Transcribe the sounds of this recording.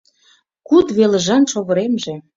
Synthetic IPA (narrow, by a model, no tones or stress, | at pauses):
kud̪βelə̆ʒɑnʃoβɤ̆ɾemʒĕ